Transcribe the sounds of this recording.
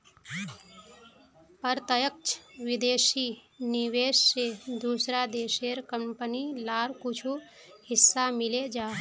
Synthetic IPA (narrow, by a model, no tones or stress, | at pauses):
pəɾt̪əjək̚t͡ʃʰʋɪd̪eːsiniʋeːʃsed̪uːsɾad̪eːʃeɾkəmpənilaːɾkut͡ʃʰu | hɪsːamɪled͡ʒaːɦ